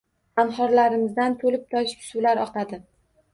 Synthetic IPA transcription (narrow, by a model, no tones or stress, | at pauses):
amhɒɾlaɾɪmɪzd̪ant̪ʰolɪp̚t̪ʰɒʃɪ̥psulaɾɒqad̪ɪ